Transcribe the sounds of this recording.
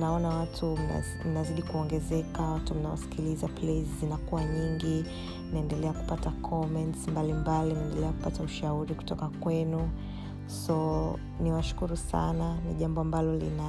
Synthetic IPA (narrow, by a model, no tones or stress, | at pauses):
naɔnawatʰṵ | m̩naziɗikuɔŋɡɛzɛkawatum̩nawa̰si̥kilizaplɛzzinakuwaɲiŋɡi | naɛndɛlɛaku̥patakʰɔmɛntsmbalimbalinaɛndɛlɛaku̥patauʃauɾiku̥tɔkakwɛnu | sɔ | niwaʃu̥kuɾusa̰naniʄambɔambalɔlḭna